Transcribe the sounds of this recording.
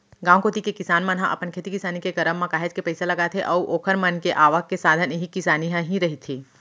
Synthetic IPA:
ɡãːwkoːt̪ikekɪsaːnmãnɦãʔɐ̰pənkʰeːt̪ikɪsaːnikekɐɾəmːãkaːɦed͡ʒkepɐɪselɐɡat̪ʰeʔɔuʔoːkʰəɾmənkeʔaːʋəkːesaːd̪ʱəniɦikɪsaːniɦãɦĩɾɐɦit̪ʰiː

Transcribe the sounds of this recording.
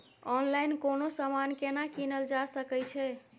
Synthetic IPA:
ɔnlajnkonosamankenakinəld͡ʒasəkɛt͡ʃʰɛ

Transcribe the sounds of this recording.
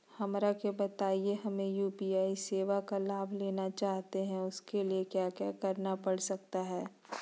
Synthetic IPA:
hɐmɾakebɐt̪aːieɦɐmẽjuːpiaːiseːʋakalaːbʱleːnat͡ʃaːɦt̪eɦɛ̃ʊskeliekjaːkjaːkɐɾnapɐɽsɐk̚t̪aɦɛː

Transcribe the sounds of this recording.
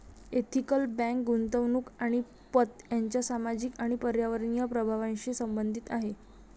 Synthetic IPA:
et̪ʰikəlbæ̃ŋkɡunt̪əʋnuːkaɽ̃i | pət̪jaɲt͡ɕjasamad͡ʑiːkaɽ̃ipəɾjaʋəɾɳijəpɾəbʱaʋãnɕesəmbənd̪ʱit̪aɦe

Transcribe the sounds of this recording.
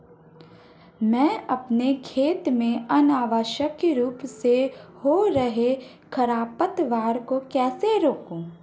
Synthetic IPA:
mɛ̃ːɐpnekʰeːt̪mẽənaːʋəʃəkɾuːpsehoɾɐɦe | kʰəɾaːpət̪ʋaːɾkokɛːseɾoːkũː

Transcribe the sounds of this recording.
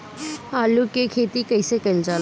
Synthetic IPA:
aːlukekʰeːt̪ikɐɪsekɐɪld͡ʒaːl

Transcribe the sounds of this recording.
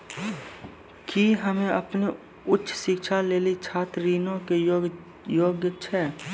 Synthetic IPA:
kiɦəmẽəpne | ʊtːʃʰsɪkʃaleːlit͡ʃʰaːt̪ɾiːnõke | joːɡjət͡ʃʰɛː

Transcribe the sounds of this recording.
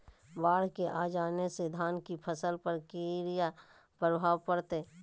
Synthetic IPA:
baːɽkeʔaːd͡ʒaːnesed̪ʱaːnkipʰəsəlpəɾkeɾija | pɾəbʱaːʋpəɾt̪eː

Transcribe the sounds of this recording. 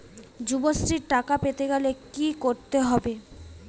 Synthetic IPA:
d͡ʑubosɾiɾʈakapet̪eɡɛlekikoɾt̪eɦɔbe

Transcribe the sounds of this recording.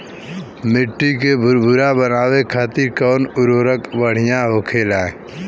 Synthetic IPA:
mɪʈːik̬ebʱʊɾbʱʊɾabənaːwekʰaːt̪iɾkɔːnʊɾoːɾəkʋəɽ̤ɪjãɦoːkʰeːlɛ̃ː

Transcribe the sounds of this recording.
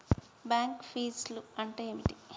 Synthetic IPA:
baːŋkpʰiːsluɐɳʈejeːmiʈi

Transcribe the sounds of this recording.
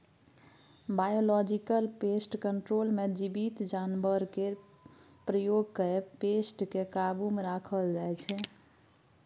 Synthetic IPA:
bajolɔd͡ʒikəlpesʈkəɳʈɾolmed͡ʒibit̪d͡ʒanbəɾke | pɾəjoɡkeepesʈkekabumeɾakʰəld͡ʒajt͡ʃʰɛ

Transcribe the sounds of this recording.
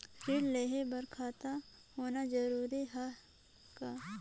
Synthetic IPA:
fʰɪɽleːɦebɐɾkʰaːt̪a | hoːnad͡ʒɐɾuːɾiɦa | kaː

